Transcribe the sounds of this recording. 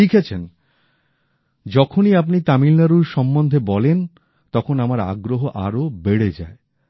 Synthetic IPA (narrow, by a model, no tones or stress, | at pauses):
ikʰet͡ɕʰen | d͡ʑɔkʰoniap̬nit̪amilnaɾuɾʃɔmbond̪ʱebɔlen | t̪ɔkʰonamaɾa̰ɡɾoɦoʔa̰ɾobeɽed͡ʑa̰e